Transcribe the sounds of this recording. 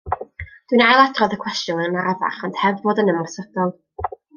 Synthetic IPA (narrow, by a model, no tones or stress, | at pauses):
d̥winajlˠadʰrɔðəkʰw̥ɛstjɔnənaɾava̰χɔnd̥hɛvboːdənəmɔsəd̥ɔlˠ